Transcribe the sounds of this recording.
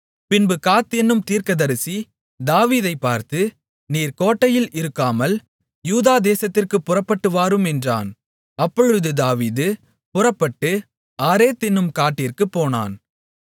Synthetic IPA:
pɪnbɯkaːt̪ːɛnːɯmt̪iːɾkɐðɐɾɯsi | d̪aːʋiːðɐɪpːaːɾt̪ɯ | niːɾkoːʈːɐjɪlɪɾɯkːaːmɐl | juːðaːd̪eːsɐt̪ːɪrkɯpːʊrɐpːɐʈːɯʋaːɾɯmɛndra̰ːn | ɐpːɔɻɯðɯd̪aːʋiːðɯ | pʊrɐpːɐʈːɯ | aːɾeːt̪ːɪnːɯmkaːʈːɪrkɯpːoːna̰ːn

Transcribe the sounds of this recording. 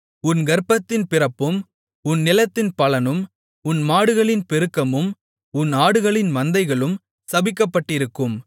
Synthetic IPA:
ʊnɡɐɾpːɐt̪ːɪnpɪrɐpːɯm | ʊnːɪlɐt̪ːɪnpɐlɐnɯm | ʊnmaːɽɯɣɐɭɪnpɛɾɯkːɐmɯm | ʊnaːɽɯɣɐɭɪnmɐnd̪ɐɪɣɐɭɯm | sɐbɪkːɐpːɐʈːɪɾɯkːɯm

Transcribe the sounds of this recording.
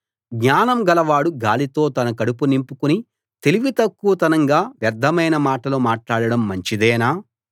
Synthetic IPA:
ɡɲaːnɐmɡɐlɐʋaːɽuɡaːlit̪o̞ːt̪ɐnɐkɐɽupunimpukuni | t̪eliʋit̪ɐkːuʋɐt̪ɐnɐŋɡaːʋjɐd̪ʱːɐmɐjnɐmaːʈɐloːmaːʈlaːɽɐɽɐmːɐɲt͡ʃid̪ɛːnaː

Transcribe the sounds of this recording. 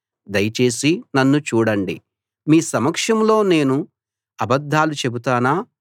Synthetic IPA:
d̪ɐjɐt͡ʃe̞ːsinɐnːut͡ʃuːɽɐɳɖḭ | miːsɐmɐkʂɐmlo̞ːne̞ːnu | ɐbɐd̪ʱːaːlut͡ʃe̞but̪aːnaː

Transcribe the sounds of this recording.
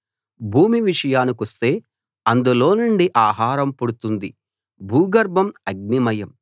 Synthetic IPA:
bʱuːmiʋiʂɐjaːnikɐst̪e̞ː | ɐnd̪ulo̞ːnuɳɖiʔaːɦaːɾɐmpoɽut̪und̪i | bʱuːɡɐɾbʱɐmɐɡ̚nimɐjɐm

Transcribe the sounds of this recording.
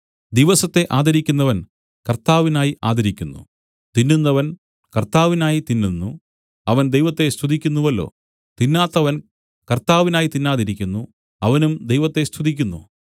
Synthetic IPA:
d̪iʋɐsɐt̪ːe̞ʔaːd̪ɐɾikʲːunːɐʋɐn | kɐrt̪aːʋinaːjiʔa̰ːd̪ɐɾikʲːunːṵ | t̪inːunːɐʋɐn | kɐrt̪aːʋinaːjit̪inːunːu | ɐʋɐnd̪ejʋɐt̪ːe̞st̪ʰuðikʲːunːuʋɐlːo̞̰ː | t̪inːaːt̪ːɐʋɐn | kɐrt̪aːʋinaːjit̪inːaːðiɾikʲːunːu | ɐʋɐnumd̪ejʋɐt̪ːest̪ʰuðik̬ʲːunːṵ

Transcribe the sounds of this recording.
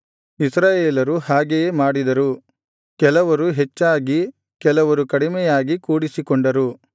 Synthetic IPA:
isɾaːjeːlɐɾuhaːɡejemaːɽid̪ɐɾu | kɛlɐʋɐɾuɦet͡ʃːaːɡi | kɛlɐʋɐɾukɐɽimɛjaːɡikuːɽisikoɳɖɐɾu

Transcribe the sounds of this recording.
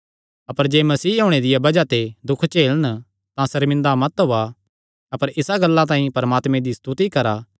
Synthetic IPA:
ɐpəɾd͡ʒeːmɐsiːɦoːɽ̃ed̪ɪjabɐd͡ʒat̪ed̪ʊkʰt͡ʃeːlən | t̪ãsɐɾmɪ̃nd̪amɐt̪ɦoa | ɐpəɾɪsaɡɐlːãt̪ãːĩpɐɾɐmaːt̪mẽd̪ist̪ut̪ikɐɾaː

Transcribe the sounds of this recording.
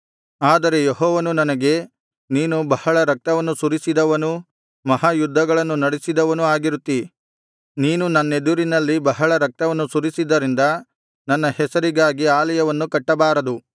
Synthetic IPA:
aːd̪ɐɾe̞jeɦɔːʋɐnunɐnɐɡe̞ | niːnubɐhɐɭɐɾɐk̚t̪ɐʋɐnːusuɾisid̪ɐʋɐnu | mɐɦaːjud̪ʱːɐɡɐɭɐnːunɐɽesid̪ɐʋɐnuaːɡiɾut̪ːi | niːnunɐnːed̪uɾinɐlːibɐɦɐɭɐɾɐk̚t̪ɐʋɐnːusuɾisid̪ɐɾind̪ɐ | nɐnːɐhɛsɐɾiɡaːɡiaːlɐjɐʋɐnːukɐʈːɐbaːɾɐd̪u

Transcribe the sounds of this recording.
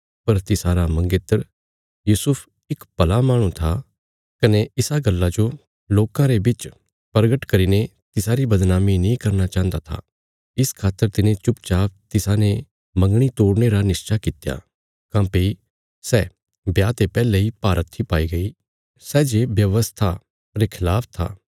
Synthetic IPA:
pɐɾt̪ɪsaːɾamɐ̃ŋɡet̪əɾ | juːsʊpʰ | ɪkpɐlamaːɽ̃ũt̪ʰa | kɐneɪsaɡɐlːad͡ʒo | loːkãɾebɪt͡ʃ | pəɾɡəʈkɐɾiːne | t̪ɪsaɾibɐd̪naːminĩkɐɾnat͡ʃãːɦə̃nd̪at̪ʰa̰ | ɪskʰaːt̪ːəɾt̪ɪnẽt͡ʃʊpt͡ʃaːp̚t̪ɪsane | mɐ̃ŋɡɽ̃it̪oːɽneɾanɪst͡ʃakɪt̪ja̰ | kãːpei | sɛ | bjaːt̪epɛːleipaːɾʔət̪ʰːipaːiɡɐi | sɛːd͡ʒebjɐʋəst̪ʰa | ɾekʰɪlaːpʰt̪ʰa̰ː

